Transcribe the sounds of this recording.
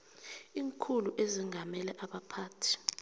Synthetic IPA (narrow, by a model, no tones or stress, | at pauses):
iːŋkʰuluʔeziŋʱamɛlɛʔaɓapʰaːtʰi̥